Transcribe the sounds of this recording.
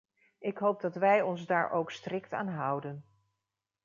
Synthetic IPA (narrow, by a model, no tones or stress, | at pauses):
ʔɪkɦowp̚dɑtʋɛjɔnzdaːɹʔowkstrɪkta̰ːnɦʌwdən